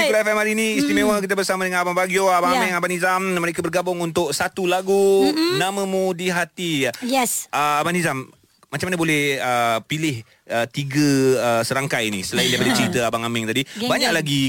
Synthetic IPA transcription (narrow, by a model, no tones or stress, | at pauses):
ilafɛmaɾiniːst̪imẽwək̬it̪̬abərsamadəŋanabaŋbaɡioabaŋamɛŋabanizamməɾekabərɡabʊŋunt̪ʊk̚sat̪ulaɡunamə̃mũdiɦat̪ijajɛsəabanizam | mat͡ʃamanabolɛhəpilɪh | ət̪iɡəəsəɾaŋkajinḭsəlaindajpadat͡ʃɾit̪əabaŋamɪŋt̪adibaɲaʔlaɡi